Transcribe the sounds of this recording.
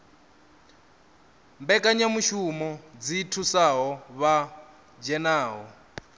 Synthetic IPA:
mbɛkʼaɲamuʃumɔd͡zitʰusaɦɔβa | d͡ʒɛnaːɦɔ

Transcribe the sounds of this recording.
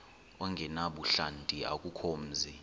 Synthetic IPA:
ɔŋɡʱɛnaɓuɬantʼia̰kʼukʰom̩ːzi

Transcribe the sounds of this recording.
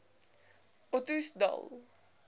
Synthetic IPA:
ɔtusda̰l

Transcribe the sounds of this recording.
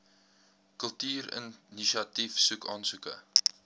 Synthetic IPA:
kəlˠtyːɾə̰nniʃɑtifsukɑːnsukə̰

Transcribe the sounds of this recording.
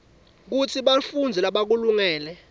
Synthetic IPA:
k̬ut͡sʰiɓafund͡zʱɛlaɓak̬uluŋɛːlɛ

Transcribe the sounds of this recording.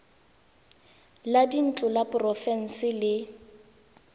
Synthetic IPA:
ladin̩t͡ɬʊlapʊrɔfɛn̩sɪlɪ

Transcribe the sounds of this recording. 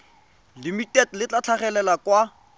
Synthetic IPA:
limitetlɪt͡ɬat͡ɬʰaχɛlɛlakwa

